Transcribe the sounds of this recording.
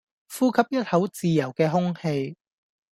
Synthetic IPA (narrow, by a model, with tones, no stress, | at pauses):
fuː˥kʰɐ˨˥p̚jɐ˥t̚hɐ˨˥wt͡siː˨jɐ˨˩wkɛː˧ɦʊ˥ŋhe˧j